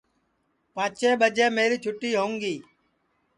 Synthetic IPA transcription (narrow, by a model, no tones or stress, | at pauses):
pãːt͡ʃeːɓəd͡ʒeːmeːɾiːt͡ʃʰʊʈːiːɦoːŋɡiː